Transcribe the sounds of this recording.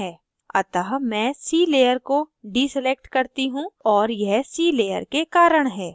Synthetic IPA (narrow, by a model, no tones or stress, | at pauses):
ɛː | ɐt̪aɦmɛ̃ːsiːleːjəɾkoɖiːselek̚ʈkɐɾt̪iɦũɔːɾjɛɦsiːleːjə̰ɾkekaːɾəɽ̃ɦɛː